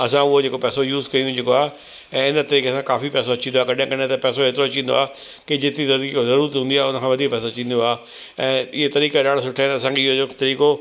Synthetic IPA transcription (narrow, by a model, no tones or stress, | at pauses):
ɐsãʊɦod͡ʑeːkopɛːsojuːzkɐiũd͡ʑɪkoaːɦe | ɛ̃ːɪnə̆t̪ɐɾiːkesãkaːfipɛːs̬oɐt͡ɕĩnd̪oaːkɐɗaãkɐɽ̤ẽt̪ɐpɛːsoɦeːt̪ɪɾoɐt͡ɕĩːnd̪o̰aː | kid͡ʑɪt̪izɐd̪izɐɾuːɾət̪ɦũːnd̪iaːɦʊnəkʰãʋɐd̪ʱiːkpɛːsot͡ɕĩːn̆d̪oaː | ɛ̃ːɪɦet̪ɐɾiːkaɗaːɽ̤asʊʈʰaenɐsãːkʰeɪɦoot̪ɐɾiːko